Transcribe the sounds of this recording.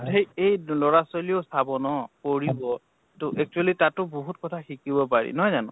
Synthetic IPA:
tejejlɔɹasoliosabɔnɔkoɹibɔ | tʊʔɛk̚t͡ʃualitatʊboɦutkɔtʰaxikibɔpaɹḭnɔɦɔjzanʊ̰̃

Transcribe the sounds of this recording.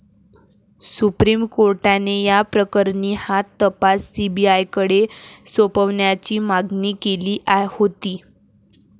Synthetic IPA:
supɾimkoɾʈanejapɾəkəɾɳiːhat̪ːəpasːibiajkəɽesopəʋɳjat͡ɕiːmaɡniːkeliːʔahot̪iː

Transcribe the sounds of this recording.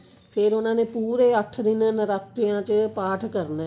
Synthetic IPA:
pʰɪɾʊnãːneːpuːɾeːəʈʰːd̪ɪnnɾaːk̚t̪ːɪjãːt͡ʃəpaːʈʰkəɾnɛː

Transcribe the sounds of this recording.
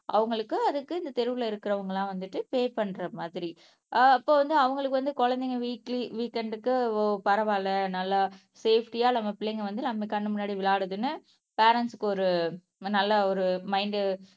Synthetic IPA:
ʔɐ̰ʋɐŋɡɐɭɯkːɯɐðɯkːɯɪnd̪ɐt̪ɛɾɯʋɯlɐɪɾɯkːɪɾɐʋɐŋɡɐɭãːʋɐnd̪ɯʈːɯpeːpɐɳːɾɐmaːðɪɾi | ɪpːoːʋɐnd̪ɯɐʋɐŋɡɐɭɯkːɯʋɐnd̪ɯkɔɻɐnd̪ɛŋɐʋiːkliʋiːkːɛɳɖɯkːɯpɐɾɐʋaːlɐnɐlːa | seːfʰʈijaːnɐmːɐpɪɭːɛŋɡɐʋɐnd̪ɯnɐmːɐkɐɳːɯmʊnːaːɽiʋɪɭaːɽɯðɯnːɯ | peːɾɐnsɯ̥kːɯɔɾɯ | nɐlːɐɔɾɯmɐɪɳɖɯ

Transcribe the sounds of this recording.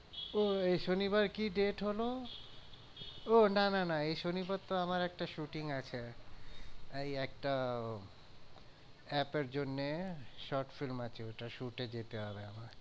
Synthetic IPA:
oejʃonibaɾkiɖeʈɦolo | onananaejʃonibaɾt̪oamaɾɛk̚ʈaʃuʈiŋat͡ɕʰe | ejɛk̚ʈa | ɛpeɾd͡ʑonːeʃɔʈfilmat͡ɕʰeeʈaʃuʈed͡ʑet̪eoabeamaɾ

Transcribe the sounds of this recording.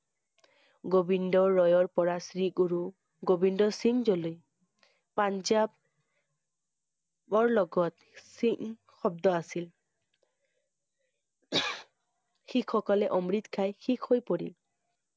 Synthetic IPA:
ɡobindɔːɔjɔɹpɔɹasɹiɡuɹu | ɡobindɔsiŋzoloj | panzab | ɔɹlɔɡɔt | siŋ | xɔb̚dɔasil | xikʰxɔkɔlɛʔɔmɹitkʰajxikʰhojpoɹḭl

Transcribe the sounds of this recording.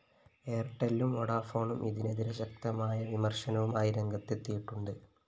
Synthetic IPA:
eːrʈːɐlːumːoɽaːfo̞ːɳumʔiðine̞ðiɾeɕɐk̚t̪ɐmaːjɐʋimɐrʂɐnɐʋumaːjiɾe̞ŋɡɐt̪ːet̪ːijiʈːuɳɖɨ

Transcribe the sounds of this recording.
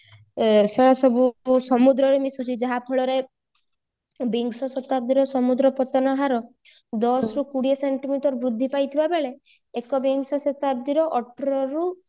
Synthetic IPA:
seɭɔsɔbusɔmud̪ɾɔɾemisut͡ʃʰid͡ʒaɦapʰɔɭɔɾe | biŋɡsɔsɔt̪ab̚d̪iɾɔsɔmud̪ɾɔpɔt̪ɔnɔɦaɾɔ | d̪ɔsɾukuɽieseɳʈimiʈɔɾbɾud̪ʱːipajt̪ʰibabeɭeː | kɔbiŋɡsɔsɔt̪ab̚d̪iɾɔʔɔʈɔɾɔɾu

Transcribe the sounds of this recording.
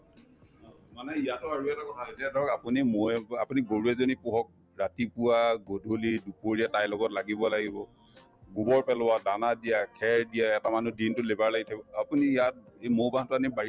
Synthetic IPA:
ɔ | manɛijatʊaɹuɛtakɔtʰaɦotɛdɔɔkapunimoa̰puniɡoɹuɛzonipʊɦɔk̚ | ɹatipuwaɡodʱolidupoɹijatajlɔɡɔtlaɡibɔlaɡibɔ | ɡubɔɹpɛlʊwadanadijakʰɛɹdijaɛtamanudintʊlebaɹlaɡitʰabɔapunijat̚emowbaɦtʊanibaɹi

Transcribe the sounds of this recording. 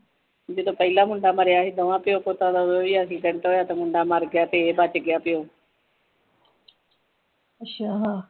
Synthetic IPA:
d͡ʒeːt̪oːpəɦɪlaːmʊ̃ɳɖaːmaːɾjaːɦeːd̪əʋãːpɪjoːpoːt̪ãːd̪aoːʋiːaːsiːʈəɳʈɦoːjaːt̪oːmʊɳɖaːmaːɾɡɪjaːt̪eːeːbaːt͡ʃəɡɪjaːpɪjoː | ət͡ʃʰaːɦãː

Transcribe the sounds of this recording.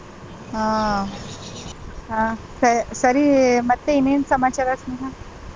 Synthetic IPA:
ɦã | ɦã | səsəɾimət̪ːeinensəmat͡ɕaɾasmikã

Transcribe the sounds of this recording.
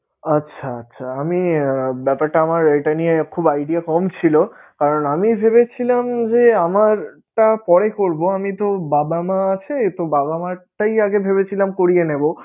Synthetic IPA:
atːɕʰaɐtːɕʰaamibɛpaɾʈaamaɾeʈaniekʰubajɖiakɔmt͡ɕʰilo | kaɾonamibʱeβet͡ɕʰilamd͡ʑeamaɾ | ʈapɔɽekoɾboamit̪obabamaat͡ɕʰet̪obabamaʈajaɡebʱeβet͡ɕʰilamkoɾijenebo

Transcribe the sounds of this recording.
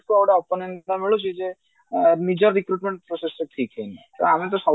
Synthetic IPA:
kuowɖaɔpɔnenamiɭut͡ʃʰid͡ʒe | nid͡ʒɔɾːikɾuʈmeɳʈ̚pɾoseseʈʰikɦenit̪ɔ̰amit̪̬ɔsɔ

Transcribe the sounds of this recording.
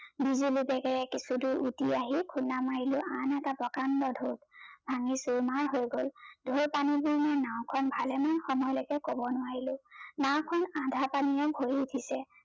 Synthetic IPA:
bizulibɛɡɛɹɛkisudʊɹʔutiaɦikʰunamaɹilʊʔanɛtabɔkandɔdʱotbʱaŋisuɹmaɹɦojɡoldʱoɹpanibuɹnanaʊ̃kʰɔnbʱalɛmanxɔmɔjlɔkɛkobɔnʊwaɹilʊnaw̃kʰɔnãdʱapanijɔbʱoɹiutʰisɛ

